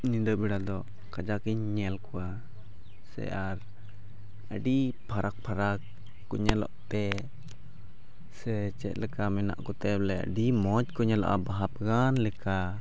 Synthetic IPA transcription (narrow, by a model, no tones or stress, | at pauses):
nid̪əbiɽad̪ɔ | kad͡ʒakiɲːɛlkuwa | sɛ̰ʔaɾ | ə̰ɖipʰaɾʔak̚pʰaɾakː | uɲɛlɔ̰ʔt̪ɛ | sɛt͡ʃɛ̰t̪̚ˀlɛkamɛna̰ʔkɔt̪ɛlɛə̰ɖimɔd͡ʒkɔɲɛlɔ̰ʔabaɦap̚ɡanlɛka